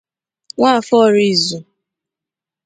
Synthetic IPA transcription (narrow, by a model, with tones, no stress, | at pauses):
ŋʷa˦˨fɔ˦˨ɾi˨zu˨